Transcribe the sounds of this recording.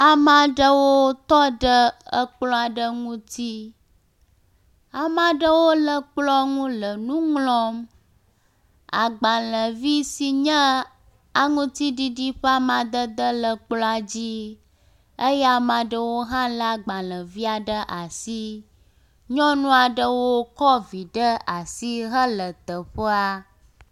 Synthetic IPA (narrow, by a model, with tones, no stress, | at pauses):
a˨mã˨ɖə˦wo˦t̪ɔ˦ɖə˦ə˦k͡plɔ̃˦a˨ɖə˦ŋũ˦t̪i˦ | a˨mã˨ɖə˦wo˦lə˨k͡plɔ˦ŋũ˦lə˨nũ˦ŋlɔ̃˦m | a̰˨ɡ͡ba˨lə̃˨vi˦si˨ɲə̃˦ | a˨ŋũ˦t̪i˦ɖi˦ɖi˦ɸə˦a˦mã˨d̪ə˦d̪ə˦lə˨k͡plɔ˦a˨d͡ʑi˦ | ə˦jɛ˦a˨mã˨ɖə˦wo˦ɦã˦la˦ɡ͡ba˨lə̃˨vi˦a˨ɖə˦ʔa˨si˦ | ɲɔ̃˦nũ˦a˨ɖə˦wo˦kɔ˦vi˨ɖə˦a˨si˦ɦə˦lə˨t̪ə˨ɸə˦a˦